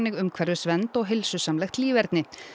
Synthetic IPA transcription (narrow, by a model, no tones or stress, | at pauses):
nɪɣʏmkʰvɛɾðʏsvɛnt̪ɔɣɦɪlsʏsamlɛjxt̪liːvɛɾt̪nɪ